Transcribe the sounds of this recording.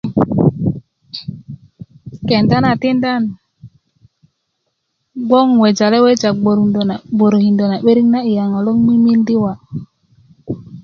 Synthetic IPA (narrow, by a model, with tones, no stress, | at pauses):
ke˨nta˦na˨ti˦nda˦˨n | ɡ͡bo˦ŋwe˨d͡ʒa˨le˦we˦t͡ʃa˨ɡ͡bo˨ɾbo˨ɾo˨hi˨ndo˨na˨ɓe˦ɾi˦ŋna˦i˨ja˨ŋa˨lo˦ŋmi˦mi˦ndi˦wa˨